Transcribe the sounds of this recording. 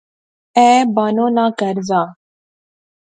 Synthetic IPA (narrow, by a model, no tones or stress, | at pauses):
ɛbaːnoːnakəɾzaː